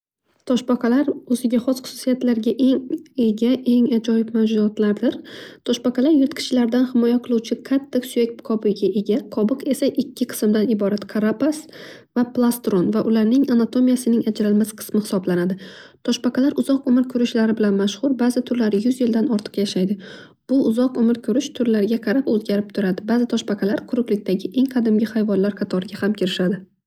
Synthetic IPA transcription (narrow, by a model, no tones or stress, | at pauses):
t̪ʰɒʃbaqʰɑlaɾɵzɪɡʲaχɒsχʊ̥sʊ̥sijat̪laɾɡʲaʔe̞ŋe̞ɡʲaʔe̞ŋad͡ʒɒjɪbmad͡ʒʊat̪laɾd̪ɪɾt̪ʰɒʃbaqʰɑlaɾjʊt̪kʲʰɪ̥t͡ʃlaɾd̪anhɪmɒjaqʰɨlˠuwt͡ʃʰɪqʰat̪ʰːaksuek̚ʲpkʰɒbɪɡʲaʔe̞ɡʲaqʰɒbɨqe̞saʔɪkʲʰːɪqʰɨ̥smd̪anɪbɒɾat̪kʰaɾapasvaplˠast̪ɾonvaʔʊlaɾnɪŋanat̪ʰo̞mijasɪnɪŋad͡ʒɾalmasqʰɨ̥smɪhɪsɒblanad̪ɪt̪ʰɒʃpɑqʰɑlaɾʔʊzɒqomɪɾkʲʰɵɾɪʃlaɾɪbɪlanmaʃhʊɾbaːzɪt̪ʰʊɾlaɾɪjʊzjɪld̪anɒɾt̪ʰɨ̥qjaʃajd̪ɪ | b̥ʊʔːzɒqɵmɪɾkʲʰɵɾɪʃt̪ʰʊɾlaɾɡʲaqʰɑɾapɵzɡʲaɾɪp̚t̪ʰʊɾad̪ɪbaːzɪt̪ʰɒʃpɑqʰɑlaɾqʰʊɾʊqlɪk̚ʲt̪aɡʲɪʔe̞ŋqʰɑd̪ɪmɡʲɪhajvɒnlaɾqʰɑt̪ʰɒɾɪɡʲahamkʲʰɪɾɪʃad̪ɪ